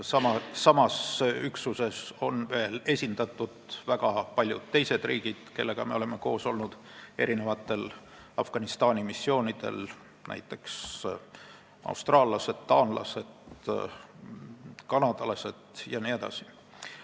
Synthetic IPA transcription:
sɑmɑːɑmɑsyksuse̞so̞nve̞ːle̞sʲind̪̥ɑt̪ːˑud̪̥væɡ̥ɑpɑlʲjṵd̪̥̚t̪ːe̞jse̞d̪̥riːɡ̥id̪̥ke̞lːe̞ɡ̥ɑme̞o̞le̞me̞ko̞̰ːso̞lnud̪̥e̞̰ɾine̞vɑt̪ːˑe̞l | ɑfɡ̥ɑnist̪ɑːnʲimisːio̞ːnʲid̪̥e̞̰l | næ̰jt̪ːˑe̞ks | ɑ̰ust̪rɑːlːɑse̞d̪̥t̪ɑːnlɑ̰se̞d̪ | kɑnɑd̪̥ɑlɑse̞d̪̥jɑnie̞d̪̥ɑ̰si̥

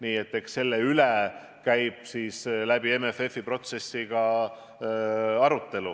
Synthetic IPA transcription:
niːet̪ːˑe̞ksse̞lːeyle | kæjb̥̚siːslæb̥iemefe̞fipro̞t̪se̞sːiɡ̥ɑ | ɑɾut̪ːe̞lṵ

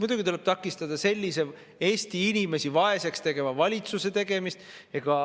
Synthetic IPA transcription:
mud̪uɡ̥it̪uleb̥̚t̪ɑkːˑist̪ɑd̪̥ɑse̞lʲːise | e̞ːsʲt̪iinʲime̞sivɑe̞se̞kst̪e̞ɡe̞vɑvɑlʲit̪suse̞t̪e̞ɡ̥e̞mist̪eɡ̥ɑ

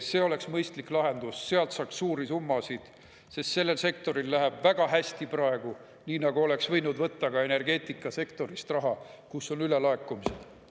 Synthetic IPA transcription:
se̞ːo̞le̞ksmɤjst̪liklɑɦe̞nd̪̥usse̞ɑlt̪sɑːkssuːɾisumːɑsid̪̥ | sest̪se̞lːe̞lse̞k̚t̪o̞ɾilːæɦeb̥væɡ̥ɑɦæsʲt̪iprɑe̞ɡ̥u | niːnɑɡuo̞le̞ksvɤjnud̪vɤt̪ːɑɡ̥ɑe̞ne̞rɡe̞ːt̪ˑikːˑɑse̞kt̪o̞ɾist̪rɑɦɑkusːo̞nylelɑe̞kːˑumised̪̥

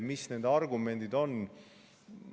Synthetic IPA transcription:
misne̞ːd̪ɑrɡume̞nd̪̥id̪o̞n

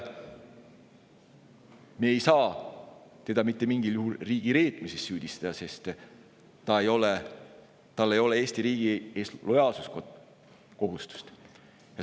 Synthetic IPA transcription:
meejsɑː | t̪e̞d̪̥ɑmit̪ːe̞miŋɡiljuɦulriːɡ̥iɾe̞ːt̪misesːyːd̪̥ist̪ɑd̪ɑse̞st̪ | t̪ɑejo̞le | t̪ɑlːe̞jo̞lee̞ːst̪iɾiːɡ̥ieslo̞jɑːlsu̥sko | ko̞ɦust̪u̥st̪ | jɑ

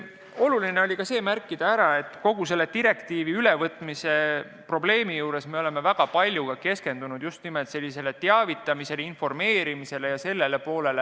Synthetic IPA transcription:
o̞luline̞olʲikɑse̞ːmærkːˑid̪̥ɑæɾɑe̞t̪ːˑko̞ɡ̥us̬e̞lːe̞t̪iɾe̞kt̪iːviyle̞vɤt̪ːˑmise̞ | pro̞ble̞ːmijuːɾe̞sme̞o̞le̞me̞væɡ̥ɑpɑlʲjuɡ̥ɑke̞ske̞nd̪̥unud̪̥just̪nimet̪se̞lːise̞le̞t̪eɑvit̪ːˑɑmise̞linfo̞rme̞ːɾimise̞le̞jɑse̞lːe̞le̞po̞ːle̞le

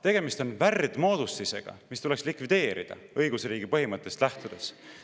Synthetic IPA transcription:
t̪e̞ɡ̥e̞mist̪o̞nværd̪̥mo̞ːd̪̥ust̪ise̞̰ɡ̥ɑ̰mist̪ule̞kslikvid̪̥e̞ːɾḭd̪̥ɑ̰ɤjɡ̥usriːɡ̥ipɤɦimɤt̪ːˑe̞st̪læht̪ud̪̥e̞s

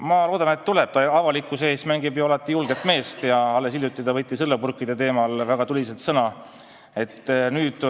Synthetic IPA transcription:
mɑlo̞ːd̪ɑne̞t̪ːule̞b̥̚t̪ɑɑvɑlikːˑuse̞ːsmæŋɡ̥ibjuɑlɑt̪ːˑijulɡ̥e̞t̪ːˑme̞ːst̪jɑɑlːe̞s̬iljut̪ːˑid̪ɑvɤ̞t̪ːˑisɤlːɑpurkːˑid̪e̞t̪e̞ːmɑlvæɡ̥ɑt̪ulʲiselt̪sɤnɑ | e̞t̪ːˑnyːd̪̥

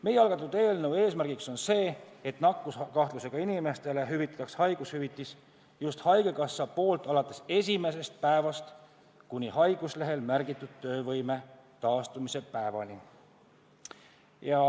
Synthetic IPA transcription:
me̞jːeɑlɡ̥ɑt̪ːˑud̪̥eːlnewe̞ːsmærɡikso̞nse̞ːet̪nɑkːˑuskɑht̪luse̞ɡ̥ɑinʲime̞st̪e̞le̞ɦyvit̪ːˑɑ̥t̪ːɑkshɑjɡ̥ushyvit̪ːˑis | just̪hɑjɡ̥e̞kɑsːɑpo̞ːlt̪ˑɑlɑt̪ːˑe̞se̞sʲime̞s̬e̞st̪̚pæevɑst̪ | kunʲihɑjɡ̥usle̞ɦe̞lmærɡit̪ːˑud̪̥̚t̪ːø̞ːvɤjme̞t̪ɑːst̪umise̞pæevɑnʲi | jɑ

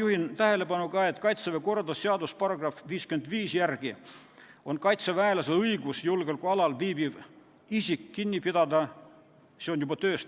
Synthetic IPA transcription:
juhint̪æhe̞le̞pɑnukɑːe̞t̪ːˑkɑjt̪seveko̞rɑd̪ɑsseɑd̪uspɑrɑɡrɑfviːskyend̪viːsjærɡ̥i | o̞nkɑjt̪sevæelɑselɤjɡusjulɡelkujɑlɑlviːbib | isʲikːinʲːipid̪̥ɑd̪ɑ | seonjubɑt̪ø̞ːst̪

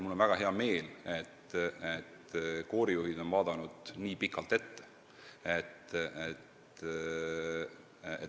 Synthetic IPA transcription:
mulːonvæɡ̥ɑɦe̞ɑme̞ːlet̪ːet̪ko̞ːɾijuhid̪̥o̞nvɑːd̪̥ɑnud̪̥niːpikːˑɑlt̪e̞t̪ːe̥ | e̞t̪et̪ | ḛ

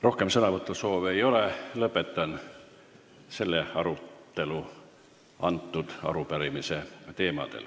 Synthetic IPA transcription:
ro̞hkemsɤnɑvɤt̪ːˑuso̞ːve̞jo̞lelɤpːˑe̞t̪ːˑɑn | se̞lːeɑɾut̪ːˑe̞lu | ɑnt̪ːud̪̥ɑ̰ɾupæɾimiset̪e̞ːmɑ̰d̪̥ḛl

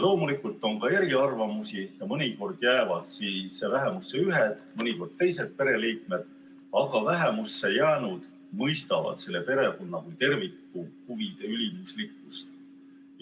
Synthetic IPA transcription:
lo̞ːmulikːˑult̪ːˑo̞ŋkɑe̞ɾiɑrvɑmusijɑmɤnʲiko̞rd̪̥jæːvɑd̪̥siːsvæɦe̞musːe̞yɦed̪̥mɤnʲiko̞rd̪̥̚t̪e̞jse̞t̪̚pe̞ɾe̞liːk̚me̞d̪̥ | ɑɡ̥ɑvæɦe̞musːe̞jæːnud̪̥ | mɤjst̪ɑvɑ̰d̪̥se̞lːe̞pe̞ɾe̞konːɑkujt̪e̞rvikːuhuvid̪̥e̞ylʲimuslikːˑust̪

